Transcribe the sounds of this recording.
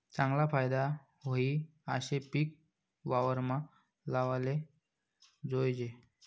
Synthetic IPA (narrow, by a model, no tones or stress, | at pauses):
t͡sãŋɡlafajd̪a | ɦoi | a̰ɕepik̚ | ʋaʋəɾma | laʋale | d͡zojd͡ʑe